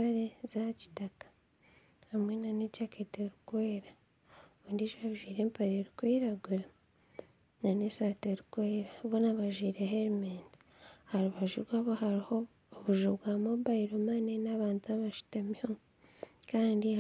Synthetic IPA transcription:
aɾezaci̥takḁ | hamwenanecaketeɾukweːɾa | βoːndiʒaβiʒwiːɾe̞ːmpaɾeɾukweːɾaɡuɾa | nanesaːteɾukweːɾaβonaβaʒwiːɾeɦeɾimeːnti̥ | haɾuβaʒuβɡaβoɦaɾiho̞ː | βuʒuβɡamoβaiɾomanenaβaːntuaβaʃu̥tamiom | kaːndi

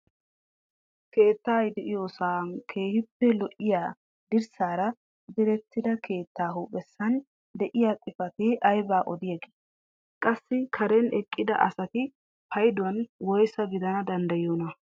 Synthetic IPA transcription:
ke̞ːt̪ːaːjd̪ɛʔɪjoːsaːnkʰe̞ːhɪpːɛlɔʔɪjaː | d̪ɪɾsaːɾɐ | d̪ɛɾɛt̪ːɪd̪ɐkʰe̞ːt̪ːaːɦuːpʼɛsːɐn | d̪ɛʔɪjaːt͡sʼɪfɐt̪eʔɐjbaːʔɔd̪ɪjɐɡe̥ː | kʼɐsːɪkʰɐɾɛnɛkʼːɪd̪ɐʔɐsɐt̪ɪ | pʰɐjd̪wɐnwɔjsɐbɪd̪ɐnɐd̪ɐnd̪ɐjoːnɐ

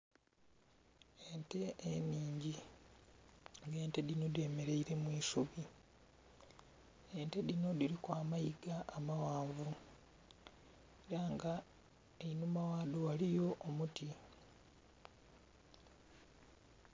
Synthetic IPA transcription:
ente̞ʔemiːɲɟi | ŋɡe̞ːnte̞dinode̞ːme̞ɾe̞iɾe̞mwiːsuβi | e̞nte̞dino̞diɾikwaːmajiɡaʔːmawaːɱvu | eɾaŋɡa | einumawaːdowalijo̞ʔːmuti

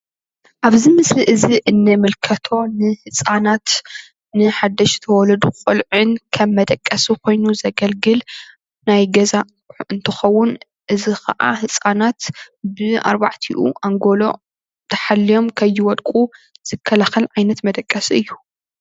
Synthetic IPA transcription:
ʔaβzimɨsɾiʔɨziʔɨnːɨmɨlkʰɐt̪ʰo̞nɨhɨsʼanat̪ | nɨħad̪ːɐʃt̪ʰɐwɔlɐd̪ukʼolʕɨnkʰɐmːɐd̪ɐkʼːɐsukʰo̞jnuzɐɡɐlɡɨl | najɡɐza | ɨnt̪ʰɨxɐwːʊn | ʔɨzixʰɐʔa̰hɨsʼanat̪ | bɨa̰ɾbaʕt̪ʰiʔṵʔaŋɡo̞lo̞̰ | t̪ʰɐħalːijo̞mkʰɐjːɪwɔlkʼuz̥ɨkʰːɐlaxɐlʕajnɐt̪mɐd̪ɐkʼːɐsiɨjːu

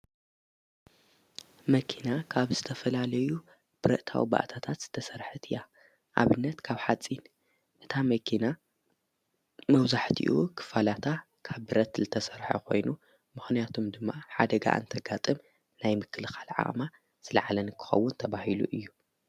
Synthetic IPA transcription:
mɐkʰinakʰaβzɨt̪ʰɐfɐlalɐju | b̥ɨɾɐ̰ʔt̪ʰa̰wḭba̰ʔt̪ʰat̪ʰat̪z̥ɨ̥t̪ʰɐsɐɾħɨt̪ʰɨja | ʔa̰βɨnːɐt̪kʰaβħat͡sʼin | ʔɨt̪ʰamɐkʰina | mɐwzaħt̪ʰḭʔukʰɨ̥falat̪ʰa | kʰaβbɨɾɐt̪zɨt̪ʰɐsɐɾħɐ̰kʰo̞̰jnu | mɨxnijat̪ʰomd̪ɨmːaħad̪ɐɡa̰ʔa̰nt̪ʰɐɡat̪ʼɨm | najmɨkʰːɨlxalʕa̰ʔʼma | z̥ɨlɐʕalɐnɨkʰːɨ̥xɐ̰wːʊnt̪ʰɐβahilṵʔɨjːu

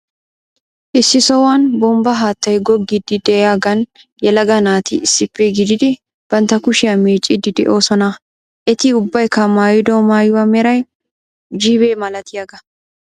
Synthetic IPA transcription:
ʔɪsːɪsɔwanbɔmbɐɦaːt̪ːɐjɡɔɡːɪd̪ɪd̪ɛjaːɡɐn | jɛlɐɡɐnaːt̪ɪɪsːɪpːɛɡɪd̪ɪd̪ɪ | b̥ɐnt̪ːɐkʊʃɪjɐmeːt͡ʃʼɪd̪ɪd̪ɛ̰ʔo̞ːsɔnɐ | ʔɛt̪ɪʊbːɐjkːɐmaːjɪd̪ɔmaːjʊwɐmɛɾɐj | d͡ʒiːbe̞ːmɐlɐt̪ɪjaɡɐ

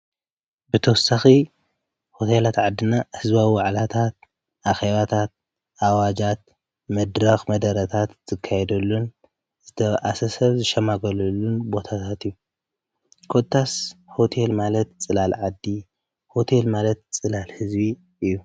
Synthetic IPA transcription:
bɨt̪ʰɐwɔsaxi | ho̞t̪ʰelat̪ʕad̪ːɨnahɨzbawiwaʕlat̪ʰat̪̚ | ʔaxeβat̪ʰat̪̚ | ʔawad͡ʒat̪̚ | mɐd̪ɾɐxmɐd̪ɐɾɐt̪ʰat̪z̥ɨkʰːajɛd̪ɐlːun | z̥ɨt̪ʰɐβʔasɐsɐβzɨʃɐmaɡɐlɐlːunbo̞t̪ʰat̪ʰat̪ijːu | kʰo̞t̪ʰːasho̞t̪ʰe̞lmalɐt̪t͡sʼɨlalʕad̪ːi | ho̞t̪ʰe̞lmalɐt̪t͡sʼɨlalhɨzbi | ʔɨjːu

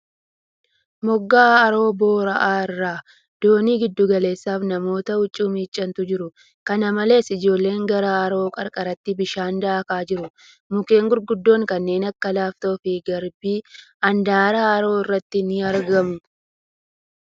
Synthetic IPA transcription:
mɔɡːaːɐɾo̞ːbo̞ːɾɐʔaːɪrːaː | d̪̥o̞ːniːɡɪd̪ːʊɡɐle̞ːsːaːfnɐmo̞ːt̪ɐʊt͡ʃʼːʊːmiːt͡ʃʼːɐnt̪ʊd͡ʒɪɾʊ | kɐnɐmɐle̞ːsɪd͡ʒo̞ːlːe̞ːŋɡɐɾaːɐɾo̞ːkʼɐɾkʼɐɾɐt̪ːɪbɪʃaːnd̪ɐʔɐkaːd͡ʒɪɾʊ | mʊke̞ːŋɡʊɾɡʊd̪ːo̞ːŋkɐnːe̞ːnɐkːɐlaːft̪ofɪɡɐɾbiːɐnd̪aːɾaːɐɾo̞ːɪrːɐt̪ːɪnɪɐɾɡɐmʊ

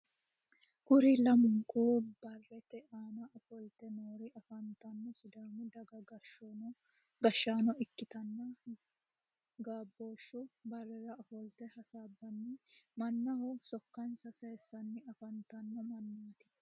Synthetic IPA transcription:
kʊɾɪlɐmʊŋkuːbɐrːɛt̪ɛaːnɐʔɐfɔlt̪ɛnoːɾɪɐfɐnt̪ɐnːɔsʊd̪aːmʊd̪ɐɡɐɡɐʃːunɔ | ɡɐʃːaːnɔɪkːɪt̪ɐnːɐ | ɡaːbːoːʃːʊbɐrːɛɾɐɐfɔlt̪ɛhɐsaːbːɐnːɪmɐnːɐhɔsɔkːɐnsɐseːsːɐnːɪɐfɐnt̪ɐnːɔmɐnːaːt̪ɪ̥

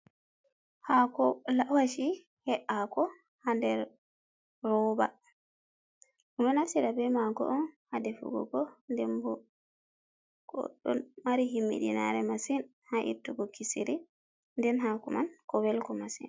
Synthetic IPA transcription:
hakɔlawaʃi | hɛʔakɔ | handɛɾ | ɾɔːba̰ | ʔunɔnasiɾabɛmaɡɔ̰ʔɔnhadɛfṵɡɔ̰ɡɔndɛmbɔ | ɡ̥ɔ̰ɗɔ̰nmaɾiɦimːḭɗina̰ɾɛmasin | haʔḭɾtuɡɔkisiɾi | ndɛnɦakumankɔwɛlkɔmasḭn

